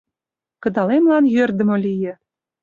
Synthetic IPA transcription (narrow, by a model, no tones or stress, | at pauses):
kɤ̆d̪ɑlemlˠɑnjørd̪ɘ̆molʲijɘ̆